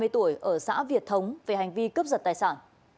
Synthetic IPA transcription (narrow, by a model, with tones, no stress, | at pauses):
ɨ˧jt̪u˧˩əjʔəː˧˩sa̰ː˧˥vi˨˩ət̚t̪ʰə˨˦wŋ͡mve˨˩ha˨˩jŋ̟vi˧kə˦˥p̚zə˨˩t̪aː˨˩jsaː˧˩n